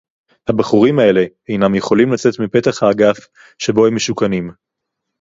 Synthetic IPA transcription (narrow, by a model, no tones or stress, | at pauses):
habaχuʁimae̞le̞ | ejnamje̞χo̞limlat͡se̞t̪mipe̞t̪aχhaːɡaf | ʃe̞bo̞hemːeʃukanim